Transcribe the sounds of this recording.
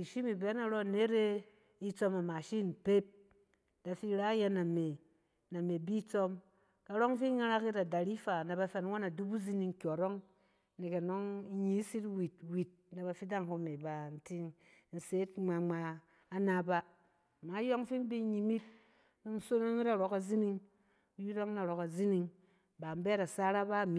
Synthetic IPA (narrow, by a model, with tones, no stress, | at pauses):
i˨ʃi˦mi˨bɛ˨˦na˨ɾo˦˨ne˨˦ɾe˦ | i˦t͡so˦ma˨ma˨ʃi˦˨n̩˨pe˦p̚ | d̥a˨fi˦ɾa˦je˧na˨me˨ | na˨me˨bi˦t͡so˦m | ka˨ɾo˦ŋ˦fi˦ŋa˦ɾa˦ki˦da˨da˨ɾi˦fa˨na˨ba˧fɛ˨n˦wa˦na˨du˦bu˦zi˦ni˦ŋ̩˦kʲo˨ɾo˦ŋ˦ | ne˨ke˨no˦ŋ˦ɲi˨˦si˦twi˨t̚wi˨t̚na˨ba˨fi˦da˦ŋho˦me˨ba˨n̩˨ti˦ŋ˦ | n̩˨se˨˦tŋ͡ma˨ŋ͡maː˨˦ | na˦ba˦˨ | ma˨˦jo˦ŋ˦fi˦m˦bi˦ɲi˨mi˦t̚ | n̩˦so˦no˦ŋi˦ɾa˨ɾo˨ka˨zi˦ni˦ŋ˦ | ji˦ɾo˦ŋ˦na˨ɾo˨ka˨zi˦ni˦ŋ | ba˨m̩˦be˦ɾa˨sa˦ɾa˦ba˦˨mi˦